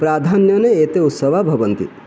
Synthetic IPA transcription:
pɾaːd̪ʱanjɔneeːt̪eut̪səʋabʱɐʋɐnt̪ḭ

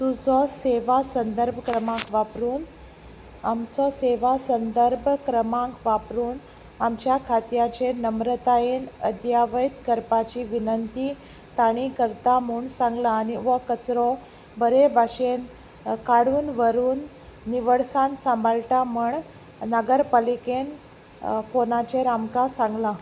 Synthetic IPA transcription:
t̪ud͡zʱɔseʋasənd̪əɾbʱkɾəmãŋkʋapɾuːn | amt͡sɔseʋasənd̪əɾbʱkɾəmãŋkʋapɾuːn | amt͡ɕjakʰat̪jat͡ɕenəmɾət̪aenəd̪ʱjaʋəjt̪kəɾpat͡ɕiʋinənt̪iː | t̪aɽ̃ikəɾt̪amuːɳsãŋɡlaːniʋɔkət͡sɾɔ̃ | bəɾebʱaɕen | kaɽuːnʋəɾuːnː | iʋəɽsansə̃mbʱalʈaməɳ | nəɡəɾpaliken | fonat͡ɕeɾamkasãŋɡla

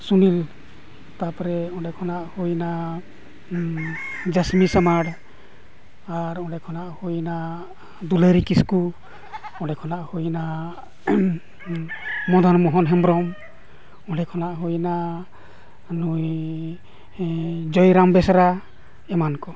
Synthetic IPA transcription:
sunil | t̪apɾɛɔɖɛkʰɔnaʔhujna | d͡ʒəsmisəmaɽ | aɾɔɖɛkʰɔnaʔhujna | d̪uləɾikisku | ɔɖɛkʰɔnaʔhujna | mɔd̪ʱanmɔɦɔnɦɛmbɾɔm | ɔɖɛkʰɔnaʔɦujna | nuj | d͡ʒɔjɾambɛsɾa | ɛmankɔ

